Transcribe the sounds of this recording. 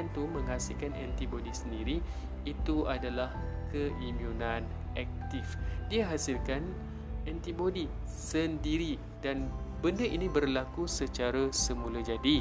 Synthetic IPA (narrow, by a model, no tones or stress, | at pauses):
ant̪umə̃ŋɦasilkanɛ̰nt̪ibodisəndiɾiː | t̪uadalahkəʔimjunãn | ʔɛk̚t̪ifdiaɦasilkan | ɛnt̪ibodi | səndiɾi | dan | bəndəʔinibərlakusət͡ʃaɾasəmulad͡ʒadi